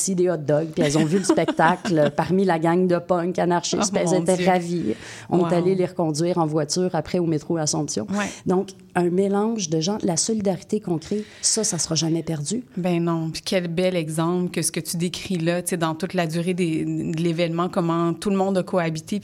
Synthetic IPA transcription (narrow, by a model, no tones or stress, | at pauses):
sid̪eɔd̪ɔɡpiɛlzɔ̃vyləspɛk̚t̪aklpaʁmilaɡaŋd̪əpɔŋkanaʁʃɪsɛlzet̪ɛʁaviɔ̰̃net̪aleleʁəkɔ̃d̪d͡zɥiːʁɑ̃vwat͡s̪yːʁapχɛomet̪χoasɔ̃psjɔ̰̃wɛd̪ɔ̃k | œ̃melɑ̃ʒd̪əʒɑ̃lasɔlid̪aʁit̪ekɔ̃kʁɛ | sʌsasəʁɑʒamɛpɛʁdd͡zybɛ̃nɔ̃pi̥kʲʰɛlbɛlɛɡzɑ̃plkəsə̥kət̪yd̪ekʲχilʌt͡s̪sed̪ɑ̃t̪ut̪lad̪yːʁed̪ed̪əlevɛnmɑ̃kɔmɑ̃t̪ulmɔ̃d̪akʰoabit̪e